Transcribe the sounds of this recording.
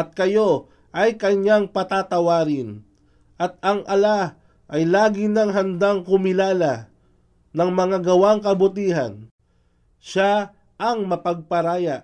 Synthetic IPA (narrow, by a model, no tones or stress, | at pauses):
ʔɐt̪̚kɐjo̞ | ʔɐjkɐɲːaŋpɐt̪at̪ɐwaːɾɪn | ʔɐt̪̚ɐŋʔɐla | ʔɐjlaːɡɪnɐŋɦɐnd̪aŋkʊmɪlaːlɐ | nɐŋmɐŋaɡɐwaŋkɐbʊt̪iːɦɐ̰n | ʃa | ʔɐŋmɐpɐɡ̚pɐɾaːjaʔ